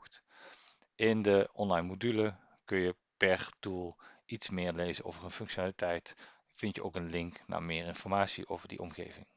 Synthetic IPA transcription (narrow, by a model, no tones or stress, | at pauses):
t | ʔɪndəɔnlɑjnmodylə | kɵnjə | pɛɹtulˠʔitsmɪːɹlejzəno̰wvərənfɵŋkʃonaːlitʰɛjt | fɪntjəo̰wkənlɪŋkna̰ːmɪːɹɪnfɔɹmaːsḭʔowvərdḭʔɔ̰mxḛːvɪ̰ŋ